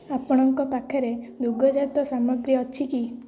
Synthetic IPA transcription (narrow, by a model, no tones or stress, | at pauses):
apɔɽ̃ɔŋkɔt̪akʰeɾed̪uɡɔd͡ʒat̪ɔsamɔɡɾiɔt͡ʃʰiki